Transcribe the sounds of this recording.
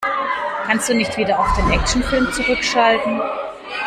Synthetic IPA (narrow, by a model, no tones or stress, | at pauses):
kʰanst̚d̥uːnɪçtv̥iːdɐaʊfd̥eːnʔɛk̚ʃn̩fɪlmt͡suʁ̞ʏkʃaltn̩